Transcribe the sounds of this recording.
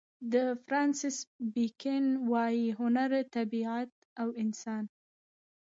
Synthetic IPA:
d̪əfɾɑnsɪsbikɪnwɑjiɦʊnaɾt̪abiat̪̚ | awɪnsɑn

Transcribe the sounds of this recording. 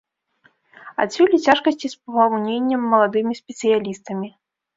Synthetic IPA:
a̰t̪sʲulʲit͡sʲaʂkɐsʲt͡sʲispɐɣawnʲenʲːɐmːɐlˠad̪ɨmʲisʲpʲɛt̪sɨjalʲist̪ɐmʲi

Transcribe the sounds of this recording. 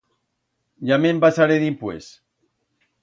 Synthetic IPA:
ʎamembasaɾeðimpwes

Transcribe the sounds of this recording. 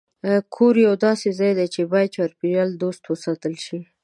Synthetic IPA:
kʰoɾjawd̪ɑsezɑjd̪at͡ʃebɑjad̪̚t͡ʃaɾpiɾald̪ost̪wəsɑt̪əlʃi

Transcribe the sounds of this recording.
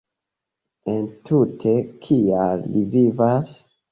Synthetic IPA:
entʰutʰe̞kʰialːivivas

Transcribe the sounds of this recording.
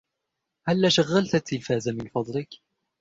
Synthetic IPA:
halːaʃaɣːalt̪at̪ɪlfaːzamɪnfɑd̪ˤlɪk

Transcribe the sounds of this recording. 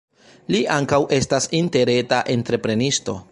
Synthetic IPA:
liʔaŋkawʔe̞stasinte̞ɾe̞taʔe̞ntɾe̞pɾe̞nisto̞

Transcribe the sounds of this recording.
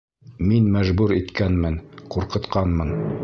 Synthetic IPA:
minmæʒbʉɾit̪kænmɘnquɾqɤ̆t̪qɑnmɤn

